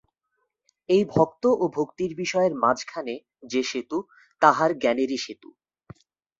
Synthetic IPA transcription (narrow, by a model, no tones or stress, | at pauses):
ejbʱɔk̚t̪oʔobʱokt̪iɾbiʃɔeeɾmad͡ʑkʰane | d͡ʑeʃet̪u | t̪aɦaɾɡɛneɾiʃet̪ṵ